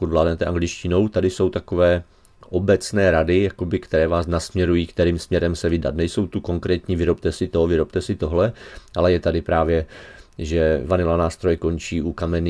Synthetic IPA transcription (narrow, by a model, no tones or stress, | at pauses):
kud̪vlaːdnɛt̪ɛʔaŋɡlɪt͡ʃcɪno̞wt̪adɪso̞wt̪ako̞vɛː | ʔo̞bɛt͡snɛːɾadɪjako̞bɪkt̪ɛɾɛːvaːsnasmɲɛɾujiːkt̪ɛɾiːmsmɲɛɾɛmsɛvɪda̰t̪nɛjso̞wt̪uko̞ŋkɾɛːt̪ɲiːvɪɾo̞p̚t̪ɛsɪt̪ovɪɾo̞pt̪ɛsɪt̪o̞ɦlɛʔalɛjɛt̪adɪpɾaːvjɛʒɛvanɪlanaːst̪ɾo̞jɛko̞nt͡ʃiːʔukamɛn